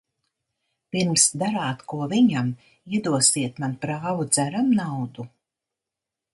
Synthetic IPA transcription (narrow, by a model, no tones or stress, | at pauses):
piɾmsd̪aɾaːt̪kuɔviɲam | iɛd̪uɔsiɛt̪manpɾaːvud̪z̥æɾamnawd̪u